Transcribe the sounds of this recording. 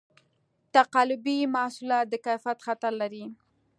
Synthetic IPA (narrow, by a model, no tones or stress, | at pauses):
t̪aqɑlʊbimasulɑt̪̚d̪əkajfat̪xat̪aɾlaɾi